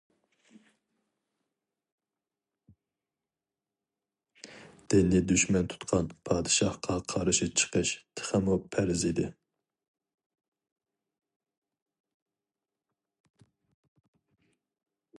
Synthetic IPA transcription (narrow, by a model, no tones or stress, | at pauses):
d̪̥ɪnɪd̪yʃmɛnt̪ʰu̥t̪qʰɑnpʰɑːd̪ɨʃɑhqʰɑqʰɑɾɨʃit͡ʃʰə̥qəʃt̪ʰɨ̥χæmupʰæɾɪzid̪ɪ